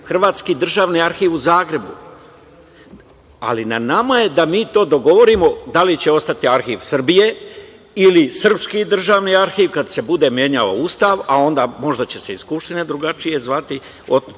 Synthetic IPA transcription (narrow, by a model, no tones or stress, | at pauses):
xr̩ʋaːt̪skid̪r̩ʒaːʋniaɾxiːʋuzaːɡɾe̞bu | a̰linanamaje̞d̪amiːt̪o̞ːd̪o̞ɡo̞ʋo̞ɾimo̞d̪alit͡ɕe̞o̞st̪at̪iaɾxiːʋsr̩bije̞ | ilisr̩pskid̪r̩ʒaːʋniaɾxiːʋkad̪se̞bud̪e̞mje̞ɲao̰uːst̪aʋao̞nd̪aːmo̞ʒd̪at͡ɕe̞se̞iskupʃt̪ined̪ɾuɡat͡ʃije̞zʋat̪i | o